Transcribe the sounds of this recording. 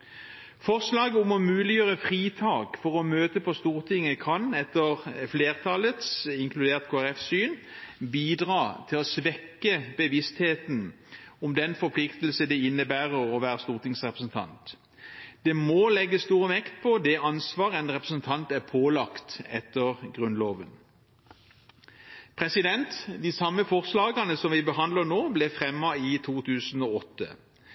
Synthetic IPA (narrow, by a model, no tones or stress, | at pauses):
fɔʁslɑːɡəʊmɔmʉːlɪjøːʁəfʁiːt̪ʰɑːkfɔʁɔmøːt̪əpʰɔst̪uːʁt̪ʰɪŋːəkʰɑnɛt̪ːəʁfleːʁt̪ʰɑlət̪sɪŋkʰlʉd̪eːʁt̪kʰoːæʁɛfsyːnbiːd̪ʁɑːt̪ʰɪlɔsʋɛkːəbəʋɪst̪heːt̪n̩ | ɔmd̪ɛnfɔɾpʰlɪkt̪lsəd̪ɛɪnːəbæːʁəʁɔʋæːʁəst̪uːʁt̪ɪŋsʁɛpʁəsn̩t̪ʰɑ̰nt̪ | d̪̥ɛmolɛɡːəst̪uːʁəʋɛkt̪̚pʰɔd̪ɛʔɑnsʋɑːʁəɛnʁɛpʁəsnt̪ʰɑnt̪æʁpʰoːlɑkt̪ɛt̪ːəʁɡʁʉnloːʋən | pʰɾɛsɪd̪ɛnt̪d̪ɪsɑmːəfɔʁslɑːɡɑnəsɔmʋɪbəɦɑnd̪lənoːblɛfʁɛmːɑɪt̪ʰuːt̪ʰʉːsn̩oːɔt̪ːə̰